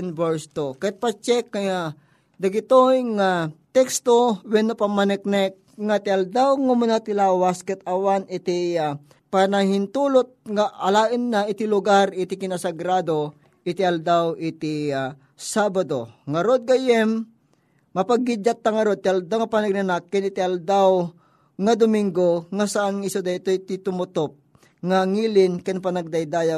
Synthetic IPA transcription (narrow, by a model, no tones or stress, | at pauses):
nbɛɹst̪okɐɪt̪̚pɐt͡ʃɛkːaja | d̪ɐɡɪt̪ojŋat̪ɛkst̪owɛnopamɐnɛk̚nɛk | ŋat̪ɪald̪awŋamʊnat̪ɪlaːwaskɛt̪ɐwanɪt̪ɪa | panahɪnt̪uːlot̪̚ŋaʔɐlaːʔɪnːaɪt̪ɪlʊɡaɾɪt̪ɪkɪnasɐɡɾaːd̪o | ʔɪt̪ɪʔɐld̪awɪt̪ɪa | saːbad̪oŋɐɾod̪̚ɡajɛmː | ɐpɐɡid͡ʒat̪̚ːaŋɐɾod̪̚t̪ɪɐld̪awŋɐpanɐɡ̚nɐnakːɪnɪt̪ɪɐld̪aw | ŋɐd̪ʊmɪŋɡoŋasɐʔanŋɪsod̪at̪ojt̪ɪt̪ʊmʊt̪op̚ | ŋaŋiːlɪnkanpɐnɐɡ̚d̪ajd̪aːja